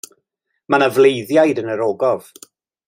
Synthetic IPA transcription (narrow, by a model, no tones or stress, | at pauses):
manavlˠejðjajdənəɾoːɡɔv̥